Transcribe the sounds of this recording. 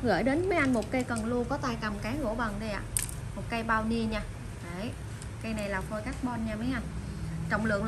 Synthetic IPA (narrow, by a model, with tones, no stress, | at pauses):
ɣə̰ː˧˩˨jɗe˨˦nməː˨˦jʔa˧nmo˨˩t̚kə˧jkə˨˩nlu˧kɔ˨˦t̪aː˧jka˨˩mkaː˨˦ŋɣo̰˧˩ɓə˨˩nɗə˧jʔa̰ː˧˨ | mo˨˩t̚kə˧jɓaː˧wɲi˧əɲaː˧ | ʔə˨˦j | kə˧jna˨˩jlaː˨˩ko˧jkaː˦˥k̚ɓɔ˧nɲaː˧mə˨˦jʔa˧n | t͡ɕə̰˧˨wŋ͡mlɨ̰˧˨əŋ